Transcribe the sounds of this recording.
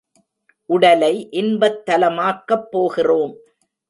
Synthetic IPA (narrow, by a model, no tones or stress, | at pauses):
ʔʊɽɐlɐɪʔɪnbɐt̪ːɐlɐmaːkːɐpːoːɣɪroːm